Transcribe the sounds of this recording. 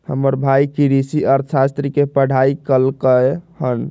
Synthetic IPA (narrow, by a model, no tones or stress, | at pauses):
həməɾbʱajkiɾisiɔɾsast̪ɾikepəɽ̤ʱaikəlkəhən